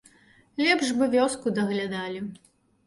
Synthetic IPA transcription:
lʲɛbʐbɨvʲɔskud̪ɐɣlʲad̪alʲi

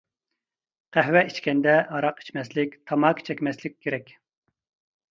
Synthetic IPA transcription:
qʰæɦwɛit͡ʃkʲɛnd̪ɛɑɾɑqi̥t͡ʃmɛslɪkʲt̪ʰɑmɑkʲt͡ʃʰɛkʲmɛslɪk̚ʲʰːeɾɛkʲ

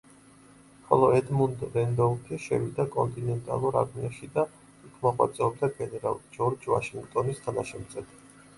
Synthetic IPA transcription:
χɔ̰lˠɔɛd̪mund̪ɾɛnd̪ɔut̪ʰɛʃɛ̰vid̪akʼɔnt̪ʼinɛnt̪ʼa̰lˠuɾa̰ɾmiaʃid̪a | ikʰmɔχwa̰t̪sʼɛɔb̚d̪aɡɛnɛɾa̰lˠd͡ʒɔɾd͡ʒva̰ʃiŋɡt̪ʼɔnist̪ʰana̰ʃɛmt̪sʼɛd̪ʰ

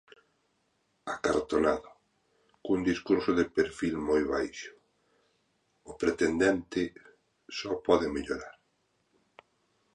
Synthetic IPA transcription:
akaɾt̪onaðʊ | kund̪iskuɾsʊðepeɾfilmojβajʃʊ̥ | ʊpɾet̪end̪ɛnt̪ɪ | sɔpɔðɪmeʎoɾaɾ

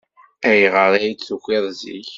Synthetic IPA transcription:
æjʁəɾˤæjit͡sːuxʷɪðˤzḭç

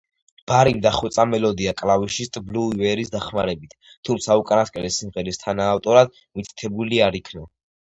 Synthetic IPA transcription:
b̥aɾimd̪aχwɛt̪sʼamɛlɔd̪iakʼlaviʃist̪ʼbluivɛɾisd̪aχmaɾɛbit̪ʰ | t̪ʰːumt̪sʰaukʼanaskʼɛlɛsimʁɛɾist̪ʰanaːft̪ʼɔɾad̪̥̚ | mit̪ʰt̪ʰɛbuliaɾikʰnɔ

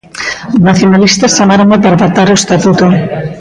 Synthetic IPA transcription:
naθjonalist̪ɐst͡ʃamaɾoŋapaɾaβat̪aɾoest̪at̪ut̪o

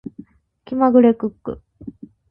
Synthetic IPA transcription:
kʲimaɡɯ̟ɾekɯkːɯ̰

